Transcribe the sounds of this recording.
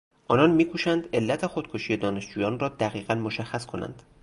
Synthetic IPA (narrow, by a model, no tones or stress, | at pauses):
ʔɒːnɒnmiːkʰuːʃænd̪e̞lːæt̪ʰe̞xo̞d̪̚kʰoʃiːje̞d̪ɒːne̞ʃd͡ʒuːjɒːnrɒːd̪æɣiːɣænmoʃæxːæskʰo̞næ̰nd̪̥